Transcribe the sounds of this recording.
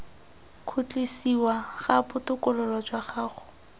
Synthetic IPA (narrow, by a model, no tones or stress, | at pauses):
kʰut͡ɬʼesiwaχabʊtʊkʊlɔlwad͡ʒwaχaːχʊ̥